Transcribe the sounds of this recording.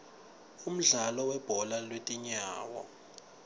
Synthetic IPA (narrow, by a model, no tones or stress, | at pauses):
um̩ɮalɔwɛb̥ʱɔlalwetʼiɲaːwɔ̰